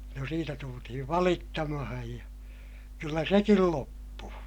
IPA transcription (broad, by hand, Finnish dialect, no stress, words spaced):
no siːtæ tultihiʋ ʋɑlitːɑmɑhɑj jɑ kylːæ sekil lopːuː